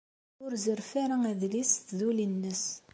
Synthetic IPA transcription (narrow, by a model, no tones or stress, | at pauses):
ʊɾzəɾfaɾaæðlisθðulinːəs